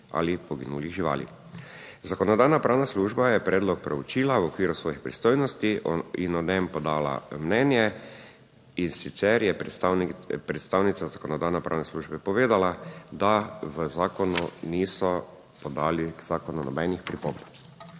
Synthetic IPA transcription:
a̰ːlipɔɡḭnuːliʒiʋa̰ːlḭ | zakɔnɔd̪aːjnapɾaːwnasluːʒbajɛpɾɛːd̪lɔk̚pɾɛut͡ʃiːlawɔkʋiːɾusʋɔːjixpɾist̪oːjnɔst̪iinɔd̪ɛmpɔd̪aːla̰mnɛːnjɛ | insit̪sɛɾjɛ | pɾɛt̪st̪aːwnit̪sazakɔnɔd̪aːjnɛpɾa̰wnɛsluːʒbɛpɔʋeːd̪alad̪aʋəzaːkɔnuniːsɔ | pɔd̪aːliz̥aːkɔnunɔbɛnixpɾipomb

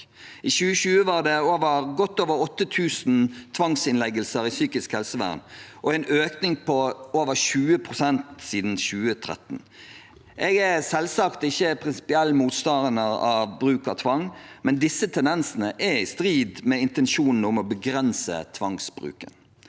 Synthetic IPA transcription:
iʃʉːəʃʉːəʋɑːʁd̪ɛoːʋəʁɡɔt̪ːoːʋəɾɔt̪ːət̪ʰʉːsn̩t̪ʰʋɑŋsɪnlɛɡəlsəɾɪsyːkɪskhɛlsəʋæ̰ːʁnʔɔæɪnʔøːknɪŋpʰɔoːʋəʁʃʉːəpʰʁʊsɛnt̪siːd̪n̩ɕʉːət̪ʰʁɛ̰t̪n̩ | ʔɛɡæsɛlsɑkt̪ɪçːəpʰʁɪnsɪ̥pɪɛlːmuːt̪st̪ɑnənəʁɑʋbɾʉːkɑt̪ʰʋɑŋːmɛnd̪ɪsːət̪ʰɛnɛnsn̩əʔɛɪst̪ʁiːd̪mɛɪnt̪ɛnʃuːnn̩ʊmɔbəɡɾɛnsə̰t̪ʰʋɑŋsbʁʉ̰ːkə̰n

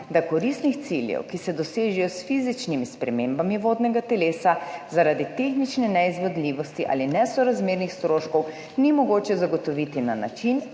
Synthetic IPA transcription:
d̪akɔɾist̪nixt̪siljɛ̰wkisɛd̪ɔseːʒɛjɔsfizit͡ʃnimispɾɛmeːmbamiʋoːd̪nɛɡat̪ɛleːsazaɾad̪it̪eːxnit͡ʃnɛnɛizʋɔd̪liːʋɔst̪iʔa̰ːlinɛsɔɾazmeːɾnixst̪ɾoːʃkɔw | nimɔɡoːt͡ʃɛzaɡɔt̪ɔʋit̪inana̰t͡ʃin

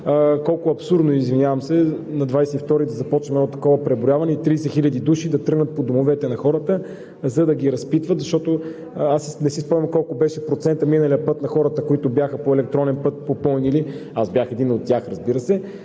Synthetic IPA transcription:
kɔlˠkʊɐpsuɾd̪noizvinʲjavɐmsɛnɐd̪vajsɛift̪ɔɾid̪ɐzɐpɔt͡ʃnɛmnɔot̪ɐ̥kɔvəpɾɛboɾjavɐnɛit̪ɾiːsɛxiʎʲɐd̪id̪uʃid̪ɐt̪ɾɤɡnət̪̚pod̪omovɛt̪ɛnɐxɔɾət̪ə | zɐd̪ɐɡʲiɾɐspit̪vət̪zɐʃt̪ɔt̪o | asinɛsispɔmɐmkɔlˠkobɛʃɛpɾot̪sɛnt̪əminəliəpɤt̪nɐxɔɾət̪əkoit̪ʊbjaxəpoɛlɛk̚t̪ɾɔnɛnpɤt̪̚popɤlˠniliazbjaxɛd̪inot̪ːʲaxɾɐzbiɾəsɛ

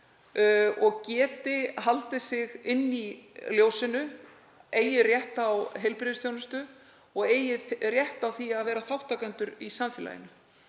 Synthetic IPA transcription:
ɔɣcɛːt̪ɪɦalt̪ɪsɪɣɪnːiljoːwsɪnʏ | eːjɪrjɛht̪awɦejlpɾɪðɪsθjownɪst̪ʏ | ɔɣeːjɪrjɛht̪awθiaðvɛːɾaθawht̪akɛnt̪ʏɾisaɱfɪla̰jɪ̰nʏ

